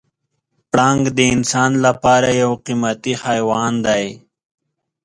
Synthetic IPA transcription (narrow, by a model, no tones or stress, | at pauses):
pɽɑŋɡd̪əɪnsɑːnlapɑːɾajawqimat̪ixajwɑnd̪aj